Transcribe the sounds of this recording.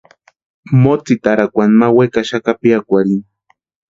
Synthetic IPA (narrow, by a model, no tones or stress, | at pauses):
mot͡sit̪aɾakʷanmawekaʃakapiakʷaɾin